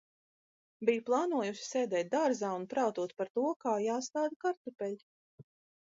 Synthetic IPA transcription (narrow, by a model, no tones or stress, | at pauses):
bijuplˠɑːnuɔjuʃi̥sɛːd̪ɛːt̪̚d̪aɾzaːunpɾawt̪uɔt̪̚paɾt̪uɔkaːjaːst̪aːd̪akaɾt̪upɛʎʲ